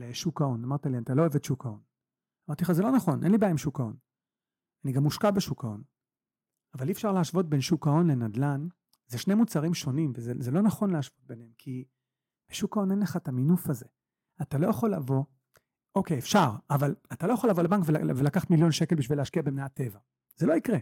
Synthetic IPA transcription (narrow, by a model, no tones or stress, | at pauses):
leʃukao̞namaʁt̪aliantalo̞evetʃukʰao̞n | amaʁt̪iχazelo̞naχo̞nʔenlibaimʃukao̞n | aniɡamːuʃkabe̞ʃukao̞̰n | avaliːfʃaʁleaʃvo̞t̚be̞nʃukao̞nle̞nadlan | zeʃne̞jmut͡saʁimʃo̞nimvezezelo̞naχo̞nlehaʃv̥o̞t̚be̞nhemkʰi | b̥eʃukao̞nenleχataminufaze̞ | atalo̞jaχo̞lːavo̞ | ʔokejefʃaʁavalat̪alo̞jaχo̞lavo̞lebaŋkvel̰velakaχḁtmiljo̞nʃeke̞lbiʃvileaʃkiabemneate̞va | z̥elo̞ikʁe